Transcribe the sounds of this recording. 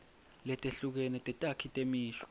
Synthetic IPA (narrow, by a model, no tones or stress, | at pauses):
lɛtʼeɬuk̬ɛnɛtʼɛtʼakʰitʼemiːʃɔ̥